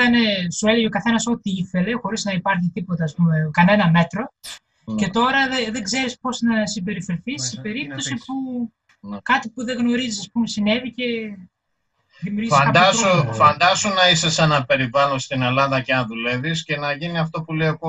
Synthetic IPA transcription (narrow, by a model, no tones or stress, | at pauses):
ɐne̞sue̞leʝeo̞kɐθe̞nɐso̞t̪iiθe̞le̞xo̞ɾiznɐipɐɾçit̪ipo̞t̪eɐːspume̞kɐne̞nɐme̞t̪ɾo̞ | ce̞t̪o̞ɾɐðeðeɡze̞ɾispo̞snɐsimbe̞ɾifeɾθisibe̞ɾit̪o̞sipu | kɐt̪ipuðeɣno̞ɾizisɐspumesine̞vice̞ | ðimjuɾʝifsɐkɐd̪ɐsofɐnd̪ɐsunɐisesɐnɐpe̞ɾivɐnost̪ine̞lɐðɐceɐnðule̞visce̞nɐʝiniɐft̪o̞puleoko